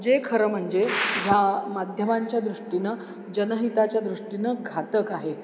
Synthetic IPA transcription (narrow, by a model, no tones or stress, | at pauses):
d͡ʑekʰəɾəm̤əɳd͡zeɦjamad̪ʱjəmaɲt͡ɕjad̪ɾuʂʈinə | d͡ʑənəɦit̪at͡ɕjad̪ɾuʂʈinəɡʱat̪əkaɦe